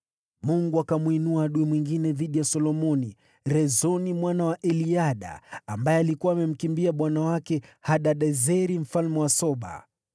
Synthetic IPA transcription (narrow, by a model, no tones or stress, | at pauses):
muŋɡuakamwinuaɗuimwiŋɡinɛðiɗijasɔlɔmɔni | ɾɛzɔnimwanawaʔɛliaɗa̰ːmbajɛalikuwaːmɛm̩kimbiaɓwanawakɛhaɗaɗɛzɛɾim̩falmɛwasɔɓa̰